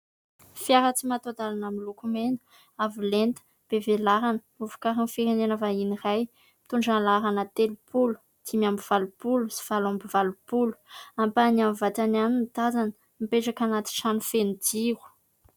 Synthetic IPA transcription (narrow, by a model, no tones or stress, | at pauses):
fiaɾat͡simat̪od̪alanamilukumenə̥ | avilent̪ə̥ | b̥evelaɾanəmuvu̥kaɾinfiɾenenəvainiraj | mi̥t̪uɳɖ͡ʐanlaɾanət̪elupʰulu̥ | t̪ʰimambiv̥alupulusi̥v̥alambivalupulu̥ampanamvat̪ananinit̪azanə̥ | mipeʈ͡ʂakanat̪i̥ʈ͡ʂanufenid̪iɾu̥